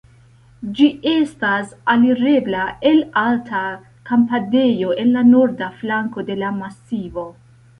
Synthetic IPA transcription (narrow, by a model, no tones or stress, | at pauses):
d͡ʒiʔe̞stasaliɾe̞blae̞laltʰa | kampade̞jo̞ʔe̞nlano̞ɾdaflaŋko̞de̞lamasivo̞